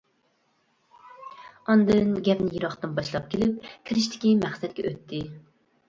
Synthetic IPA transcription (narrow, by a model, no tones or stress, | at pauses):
ɑnd̪ɨnɡʲɛpnɪjeɾɑχt̪ɨnbɑʃlˠɑp̚kʲelɪp̚kʲʰiɾɪʃ̬t̪ʰɪ̥kʲimæχsɛt̪̚kʲɛ̰ʔøt̪ʰːɪ